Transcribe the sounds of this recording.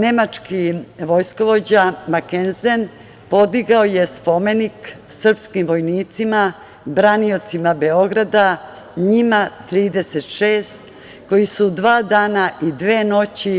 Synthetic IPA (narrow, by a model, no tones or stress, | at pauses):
ne̞mat͡ʂkiʋo̞jsko̞ʋo̞d͡ʑamakenzen | po̞d̪iɡaojespo̞meniksr̩pskimʋo̞jniːt̪sima | bɾanio̞t̪simabe̞o̞ɡɾad̪a | ɲimat̪ɾiːd̪eset̪ʃeːst̪ | ko̞jisud̪ʋaːd̪aːnaʔid̪ʋeːno̞t͡ɕi